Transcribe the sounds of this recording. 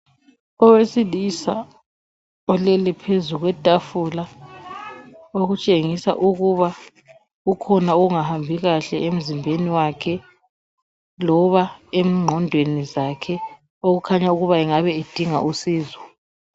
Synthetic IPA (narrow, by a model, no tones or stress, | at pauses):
ɔwesilisa̰ | ɔlɛlɛpʰezuɣwɛtʼafula | oɣut͡ʃʼeŋisa̰ʔuɣuβa | ukʰɔnaoɣuŋahambʱiɣaɬɛem̩zimbʱeniwakʰɛ | lɔβaem̩ŋ͡ǃʱɔndʱwenizakʰɛ | oɣukʰaɲauɣuβaɛŋaβɛed̥ʱiŋa̰ʔusiːzwɔ